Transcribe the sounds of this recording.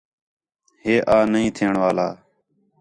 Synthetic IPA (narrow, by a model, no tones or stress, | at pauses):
ɦeːʔaːnəĩːt̪ʰɪːəɳʋaːlaː